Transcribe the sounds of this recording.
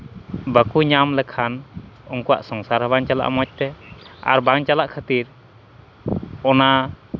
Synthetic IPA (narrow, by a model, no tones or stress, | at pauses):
bəkuɲamlɛkʰanɔŋkɔwa̰ʔsɔŋsaɾɦabaŋt͡ʃala̰ʔmɔt͡ʃ̚t̪ɛa̰ɾbaŋt͡ʃalaʔkʰət̪iɾ | ɔna